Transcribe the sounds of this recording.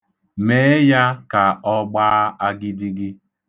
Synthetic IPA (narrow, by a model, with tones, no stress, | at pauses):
me˦ja˦ka˨ɔ˦ɡ͡ba˦a˦ɡɪ˦di˦ɡɪ˦